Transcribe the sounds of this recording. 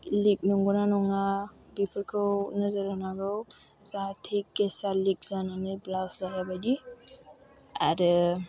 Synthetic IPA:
lik̚nɔŋɡɔnanɔŋnabipʰəɾkʰɯwnəzəɾanaɡɯw | satʰekːesalik̚zananɯblaszajabadi | a̰ɾɯ

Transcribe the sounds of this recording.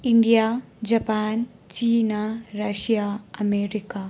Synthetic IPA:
iɳɖijaː | d͡ʒɐpaːn | t͡ɕiːnaɾɐʃijaːɐmeːɾikaː

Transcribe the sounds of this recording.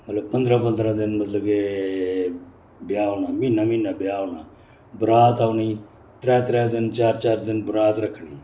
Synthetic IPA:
məɐt̪lɐbpɐnd̪ɾapɐnd̪ɾad̪ɪnmɐt̪lɐbke | bjaːʋɳaminɐmiːnːabjaːʋɳa | bʊɾaːt̪aʋɳi | t̪ɾɛːt̪ɾɛːd̪ɪnt͡ʃaːɾt͡ʃaːɾd̪ɪnbʊɾaːt̪ɾɐkʰɳiː

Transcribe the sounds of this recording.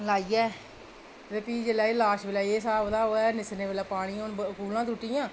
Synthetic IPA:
laːiːɛː | t̪eːpiːd͡ʒelaːelaːʃbɪlaːieːsaːbd̪aːoːɛːnɪsneːʋelaːpaːɽ̃iːoːnbkuːlãːt̪uʈiːjãː

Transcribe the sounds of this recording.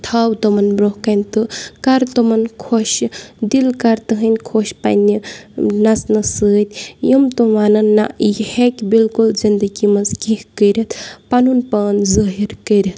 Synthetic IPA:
t̪ʰaːwt̪omɐnbɾohkɐnʲt̪ɨkaɾt̪omɐnkʰoʃd̪ilkɐɾt̪ɨɦənʲkʰoʃpɐ̰nʲːinɐsnɐsɨːt̪ʲjəmt̪oʋanɐnːa̰ihekʲbilkulzind̪əɡimɐzkihkəɾʲɐt̪ʰpanunpɐːnzəɦiɾkəɾʲɐt̪ʰ

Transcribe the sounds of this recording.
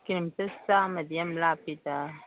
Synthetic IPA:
kiɾmt̪ɐsaːmɐd̪ijɐmlaːpit̪a

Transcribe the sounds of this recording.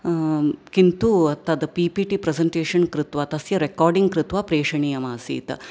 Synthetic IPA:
kint̪uɐt̪ɐd̪ɐpiːpiʈipɾɐsɐɳʈeːʂɐnkɾɪt̪ʋaːt̪ɐsjɐɾekaːɾɖiŋɡ̚kɾɪt̪ʋaːpɾeːʂɐɳijɐmaːsḭːt̪ɐ

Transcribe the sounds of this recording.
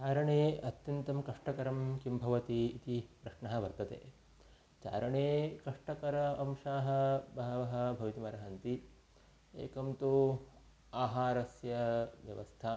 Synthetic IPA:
t͡ʃaːɾɐɳeːɐt̪jɐnt̪ɐmkɐʂʈɐkɐɾɐmkimbʱɐʋɐt̪iːt̪ipɾɐʂɳɐɦɐ̆ʋɐɾt̪ɐt̪ḛː | t͡ʃa̰ːɾɐɳeːkɐʂʈɐkɐɾɐɐmʃaːɦɐ̆bɐːɐʋɐɦɐ̆bʱɐʋit̪imɐɾɐɦɐnt̪i | ḛːkɐmt̪u | aːɦaːɾɐsjɐʋjɐ̰ʋɐ̰st̪ʰa

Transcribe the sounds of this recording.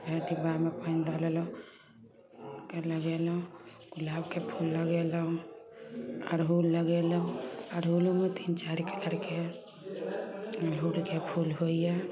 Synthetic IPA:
beʈibamepənd̪alelo | keləɡelũ | ɡ̥ʊlabkepʰulːəɡelũ | ɔ̰ːɾɦulːəɡelũɔɾɦulumet̪ʰint͡ʃaɾikələɾke | ɦulkepʰulɦoiɛ

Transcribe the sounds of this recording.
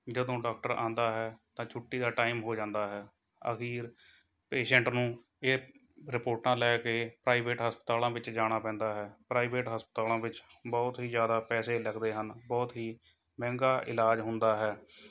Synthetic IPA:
d͡ʒəd̪õːɖaːk̚ʈəɾã̰ːnd̪aːɦɛːt̪ãːt͡ʃʰʊʈːiːd̪aːʈaːɪmɦoːd͡ʒãːnd̪aːɦɛː | ə̰xiːɾ | peːʃɛ̃ɳʈnũː | eː | ɾɪpoːɾʈãːlɛːkeːpɾaːiʋeːʈɦəspət̪aːlãːʋɪt͡ʃd͡ʒaːɽ̃aːpɛ̃ːnd̪aːɦɛːpɾaːɪʋeːʈɦəspət̪aːlãːʋɪt͡ʃbɔːt̪ɦiːzjaːd̪aːpɛːseːləkd̪eːɦənbɔːt̪ɦiː | mɛ̃ːŋɡaːʔɪlaːd͡ʒɦʊnd̪aːɦɛː

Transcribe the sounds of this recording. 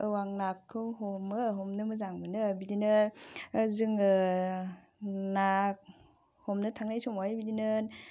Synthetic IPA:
ɯwaŋnakʰːɯwɦɔmɯɦɔmnɯmɯzaŋmɯnɯbidinɯ | zɯŋɯ | nak̚ | hɔmnɯtʰaŋnajsɔmojbidinɯ

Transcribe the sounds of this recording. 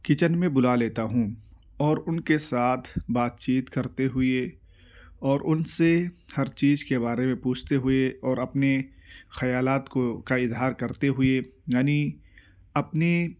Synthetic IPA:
kɪt͡ʃənmẽbʊlaleːt̪aɦũ | ɔːɾʊnkesaːt̪ʰbaːt̪̚t͡ʃiːt̪kɐɾt̪eɦʊe | ɔːɾʔʊnsehɐɾt͡ʃiːzkeβaːɾemẽpuːt͡ʃʰt̪eɦʊeɔːɾɐpnexɐjaːlaːt̪kokaɪzɦaːɾkɐɾt̪eɦʊejaːni | ɐpne

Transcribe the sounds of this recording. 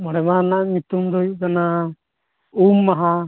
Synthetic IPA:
mɔɽɛbanaʔɲut̪umd̪ɔjuʔkana | umːaɦa

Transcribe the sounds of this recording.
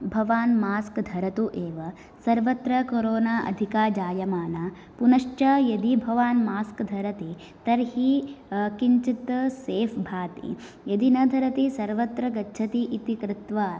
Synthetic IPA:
bʱɐʋaːnmaːskd̪ʱɐɾɐt̪uʔeːʋɐ | sɐɾʋɐt̪ɾɐkoɾoːnaːʔɐ̰d̪ʱikaːd͡ʒaːjɐmaːna | punɐʂt͡ʃɐjɐd̪ibʱɐʋaːnmaːskd̪ʱɐɾɐt̪i | t̪ɐɾɦhikiɲt͡ʃit̪ɐseːfbʱaːt̪ḭ | jɐd̪inɐd̪ʱɐɾɐt̪isɐɾʋɐt̪ɾɐɡɐtːʃʰɐt̪iʔit̪ikɾɪt̪ʋɐ

